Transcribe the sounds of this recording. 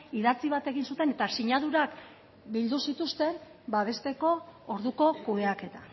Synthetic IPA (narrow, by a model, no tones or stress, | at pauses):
iðat͡siβ̞at̪e̞ɣinsut̪e̞ne̞t̪asiɲaðuɾak | bild̪usit̪ust̪e̞m | baβ̞e̞st̪e̞ko̞ːɾðuko̞kueake̞t̪ḁ